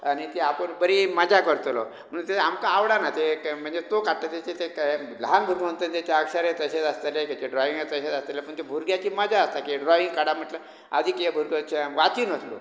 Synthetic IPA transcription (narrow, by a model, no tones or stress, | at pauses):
añit̪eapəɳbəɾiməd͡zakəɾt̪lɔ̰ | m̤əɽũt̪eamkaːʋɽanat̪em̤əɳd͡zet̪okaʈt̪at̪et͡ɕet̪ekləanbʱuɾɡənt̪ənt̪at͡ɕaəkʂəɾet̪əɕet͡sast̪elekat͡ɕeɖɾɔiŋɡet̪əɕet͡sast̪elepəɳt̪ebʱuɾɡjat͡ɕiːməd͡zaəst̪akiɖɾɔʋiŋɡkaɽam̤əʈlə | a̰d̪ʱiːkebʱuɾɡət͡ɕeʋat̪iːnəslo̰